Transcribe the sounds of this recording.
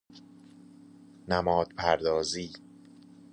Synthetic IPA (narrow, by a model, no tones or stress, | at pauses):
næmɒːd̪̥̚pʰæɾd̪ɒːziː